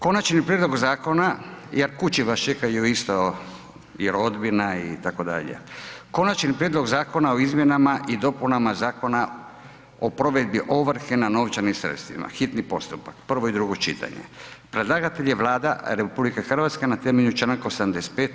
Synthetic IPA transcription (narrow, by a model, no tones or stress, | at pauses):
ko̞nat͡ʃnipɾjed̪lo̞ɡzaːko̞najeɾkut͡ʃiʋast͡ʃekajuist̪o | jeɾo̞d̪binaḭt̪ako̞d̪a̰ʎḛko̞nat͡ʃnipɾʲjed̪lˠo̞ɡzaːko̞naoizmje̞namaʔid̪o̞punamazaːko̞na | opɾo̞ʋe̞d̪biʔo̞ʋrɾ̩kenano̞ʋt͡ʃanimsɾḛt̪st̪ʋḭma̰xit̪nipo̞st̪upakpr̩ʋoid̪ɾuɡo̞t͡ʃḭt̪ʰa̰ɲḛpɾed̪lˠaɡat̪e̞ʎeʋlaːd̪a̰ɾepublikexr̩ʋat̪skenat̪emeʎut͡ʃɾaŋkosd̪amd̪espet̪